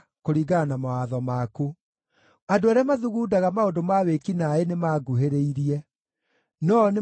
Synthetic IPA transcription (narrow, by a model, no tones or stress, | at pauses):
koɾiɡanamawaðɔmaku | adoaɾeɛamaðuɣuːdaɣamaodomawekinaenemaɡuɦeɾeiɾiɛ | nɔne